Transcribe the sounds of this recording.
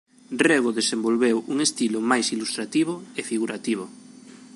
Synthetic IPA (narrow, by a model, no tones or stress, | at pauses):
reɣoðesembolβewʔuŋest̪ilomajsilust̪ɾat̪iβ̞oefiɣ̞uɾat̪iβ̞o